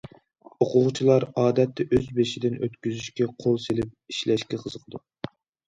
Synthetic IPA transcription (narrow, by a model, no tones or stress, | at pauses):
oqʰʊʁt͡ʃʰilˠɑɾɑːd̪ɛt̪ːɛʔøzbeʃid̪ɪnʔøt̪kʲyzyʃkʲɛqʰolˠselɪp̚iʃlɛʃkʲɛqʰəzəqʰd̪u